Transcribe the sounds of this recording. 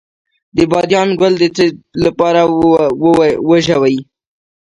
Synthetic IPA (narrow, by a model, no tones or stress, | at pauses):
d̪əbɑd̪jɑnɡwald̪ət͡səlapɑɾawwəʒawaji